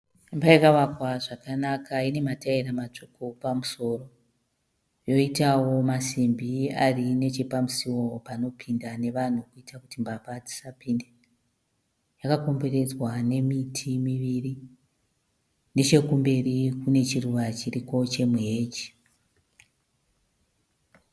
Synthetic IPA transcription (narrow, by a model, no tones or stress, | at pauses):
mbaikaʋakwaʐakanakʰaine̞mataiɾamat͡ʂokopamuso̞ːro̞ | jo̞itawo̞masimbiarine̞t͡ʃe̞pamusiwo̞pano̞pʰindane̞ʋan̤ukuitakutimbapad͡zi̥sapinde | jakako̞mbe̞re̞d͡zwane̞mitʰimiʋiri | ne̞t͡ʃe̞kumbe̞rikune̞t͡ʃiruʋat͡ʃiriko̞t͡ʃe̞muɦeːd͡ʒi̥